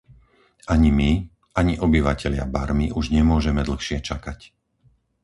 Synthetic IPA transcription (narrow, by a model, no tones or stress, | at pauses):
aɲimi | ʔaɲiʔɔbiʋacɛʎɪa̰baɾmiʔuʒɲɛmʊɔʒɛmɛd̪l̩xʃɪɛt͡ʃakac